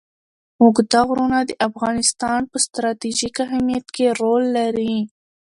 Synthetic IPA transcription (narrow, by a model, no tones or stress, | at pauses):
muɡd̪ɑɣɾunad̪əʔafɣɑnɪst̪ɑnpəst̪ɾɑt̪iʒikaɦamijat̪keɾolːaɾi